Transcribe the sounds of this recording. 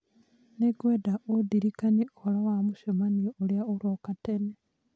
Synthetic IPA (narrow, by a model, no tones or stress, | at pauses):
neɡwedaodiɾikaniolawamuʃomanioljaolwokatene